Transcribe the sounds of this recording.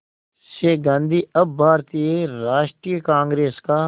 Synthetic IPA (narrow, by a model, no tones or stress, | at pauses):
ʃeːɡãːnd̪ʱiːɐbbʱaːɾt̪ijeɾaːʃʈɾijəkãːŋɡɾeːskaː